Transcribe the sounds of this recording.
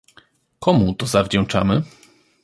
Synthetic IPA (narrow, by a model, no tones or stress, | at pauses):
kɔmut̪ɔzavd͡ʑɛ̃w̃t͡ʂa̰mɘ